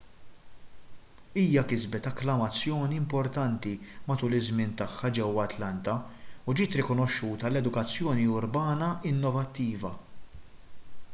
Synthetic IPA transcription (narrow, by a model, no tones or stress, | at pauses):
iːjɐkɪzbɛt̪ɐklɐmɐt͡sːjɔːniɪmpɔɾt̪ɐnt̪imɐt̪uːlɪzmɪnt̪ɐħːɐd͡ʒɛwɐt̪lɐnt̪ɐud͡ʒiːt̪ɾɪkɔnɔʃːuːt̪ɐlɛd̪ʊkɐt͡sːjɔːniʊɾbɐːnɐɪnːɔvɐt̪ːiːvɐ